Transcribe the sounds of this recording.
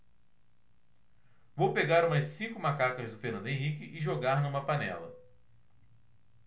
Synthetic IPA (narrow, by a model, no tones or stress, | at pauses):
vowpeɡaɾũmɐsĩkʊmakakɐzd̪ʊfeɾnɐ̃nd̪ẽj̃ɦikɪʔɪʒoɡaɾnɐũmɐpanɛ̰lɐ̰